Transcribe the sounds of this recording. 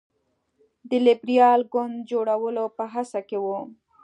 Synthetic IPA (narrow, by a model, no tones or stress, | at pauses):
d̪əlɪbɾijɑlɡʊnd̪̚d͡ʒoɽawəlopəɦasakewu